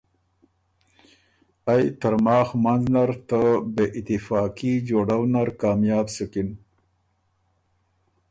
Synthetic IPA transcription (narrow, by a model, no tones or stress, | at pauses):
ajt̪əɾmɑːxmanznaɾt̪əbeʔɪt̪ɪfɑːkid͡ʒoɖawnaɾkɑːmjɑːbsukin